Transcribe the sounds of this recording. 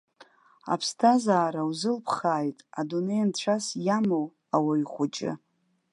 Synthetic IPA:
a̰pʰstʰazaːɾawzɨlpʰχaːjtʼadune̞jnt͡ɕʷʰasjamow | awajiχʷʊt͡ʃʼɪ̰

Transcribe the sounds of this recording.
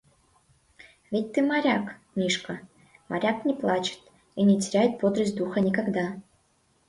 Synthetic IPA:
vʲɪt̚ʲt̪ɨmaɾʲaknʲiʂkə | ma̰ɾʲaknʲɪplˠat͡ɕɪ̥t̪ | inʲɪtʲɪɾʲæjɪt̪̚pod̪ɾəsʲtʲd̪uxənʲɪkaɡd̪a

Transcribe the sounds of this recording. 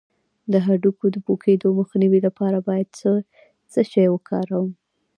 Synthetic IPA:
d̪əɦaɖukod̪əpokʰed̪oməxniwilapɑɾabɑjad̪̚sə | t͡səʃajwəkʰɑ̰ɾawəm

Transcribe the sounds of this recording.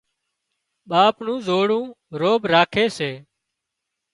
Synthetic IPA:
ɓaːpnũːzoːɽũː | ɾoːbɾaːkʰeːseː

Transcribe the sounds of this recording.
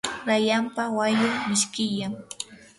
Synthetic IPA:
ɾajampawajʊmɪʃkɪjaŋ

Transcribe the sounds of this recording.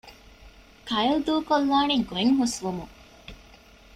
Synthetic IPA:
kɐjild̪uːkolːaːniɡoeŋɦusʋumuŋ

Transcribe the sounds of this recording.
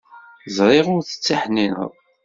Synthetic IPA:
zɾˤeʁʊɾθə̥t͡sːaħninə̰ðˤ

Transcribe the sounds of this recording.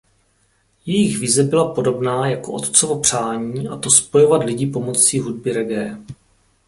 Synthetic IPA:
jɛjɪxvɪzɛbɪlapo̞do̞bnaːjako̞ʔo̞̰t̪t͡sovo̞pr̝̥aːɲiːʔat̪o̞spo̞jo̞vat̪lɪɟip̬o̞mo̞t͡siːɦud̚bɪɾɛɡɛː

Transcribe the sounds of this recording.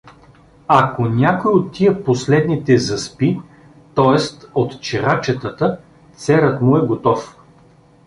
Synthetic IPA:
ɐkonʲakojot̪ːiəposlɛd̪nit̪ɛzɐspi | t̪ɔɛst̪ot̪t͡ʃɛɾat͡ʃɛt̪ət̪ə | t̪sɛɾət̪mʊɛɡot̪ɔf

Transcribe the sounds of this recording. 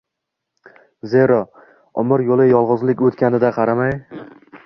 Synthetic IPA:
zeɾɒ | ɒmɪɾjolˠɪjɒlˠʁʊzlɪkʲot̪kʲʰanɪd̪aqʰɑɾamaj

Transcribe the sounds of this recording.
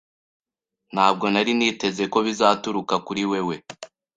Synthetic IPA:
n̥haːb̚ɡo̞naɾiniːte̞ze̞ko̞βizaːtuɾukakuɾiwe̞we̞

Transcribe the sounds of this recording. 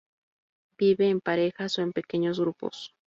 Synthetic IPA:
b̥iβeːmpaɾe̞xasoempe̞ke̞ɲoz̬ɣɾupo̰s

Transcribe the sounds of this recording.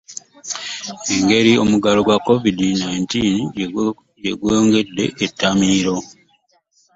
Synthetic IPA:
e̞ŋɡe̞ɾio̞̰muɡalo̞ɡwakːovidinajintiːn | jeɡweŋɡe̞dːe̞̰ʔetːamiːɾo̞

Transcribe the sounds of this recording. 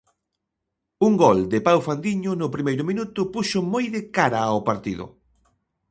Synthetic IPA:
uŋɡɔld̪ɪpawfand̪iɲʊnʊpɾimejɾʊmĩnut̪ʊpuʃomojðɪkaɾaaoʊpaɾt̪ḭðʊ̰

